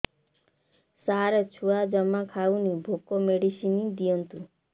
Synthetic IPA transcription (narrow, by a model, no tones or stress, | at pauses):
saɾət͡ʃʰuad͡ʒəmːakʰaunibʱokomeɽisinid̪ijɔnt̪u